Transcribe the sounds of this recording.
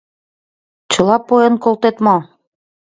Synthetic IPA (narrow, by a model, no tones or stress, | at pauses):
t͡ɕɤ̆lɑpojɤ̆nkolt̪et̪mo